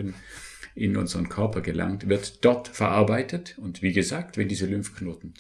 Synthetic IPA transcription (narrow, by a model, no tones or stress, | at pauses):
ənʔɪnʔʊnzəʁənkʰœɐpʰɐɡəlʔa̰ŋtv̥ɪɐtd̥ɔɐtfɛɐʔaɐbaɪtʰətʊntv̥iːɡəzaːktvɛndiːzəlʏmfknoːtn̩